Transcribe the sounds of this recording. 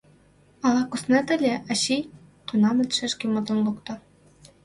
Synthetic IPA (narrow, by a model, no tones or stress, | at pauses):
ɑlɑkusnĕt̪ɘ̆lʲĕʔɑɕi | t̪unɑmɘ̆lʲt̪ʃeʃkemɤ̆d̪ɤ̆nlˠukt̪ɤ̆